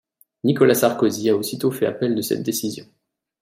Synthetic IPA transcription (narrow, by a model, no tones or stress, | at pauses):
nikɔlasaʁkoziaosit̪ofɛa̰pɛld̪əsɛ̰t̪̚d̪esizjɔ̃